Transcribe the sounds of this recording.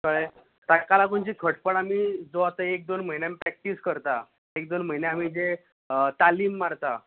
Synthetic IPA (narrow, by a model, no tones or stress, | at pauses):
kəɭe | ʈ̪akalakuɳt͡ɕiːkʰəʈpəɽamiːd͡zoat̪əek̚d̪onməineamipɾɛk̚ʈiskəɾt̪a | ek̚d̪onm̤əjneamiːd͡ze | t̪aliːmːaɾt̪a